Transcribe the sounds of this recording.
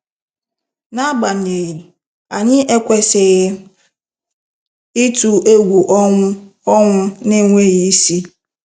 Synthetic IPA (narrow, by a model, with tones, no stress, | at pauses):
na˦ɡ͡ba˨n̩˨ɲe˨ji˨ | a˨ɲɪ˦ʔe˦kʷe˦sɪ˨ɣɪ˦ | ɪ˦tu˨ʔe˦ɡʷu˨ʔɔ˦ŋʷʊ˦ne˦ŋʷe˦ɣi˦si˦